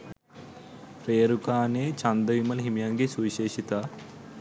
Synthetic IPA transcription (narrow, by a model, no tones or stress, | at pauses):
pɾeːɾukaːneːt͡ʃɐnd̪ɐʋimɐlɦimjaŋɡesuiʃeːʃit̪ɐ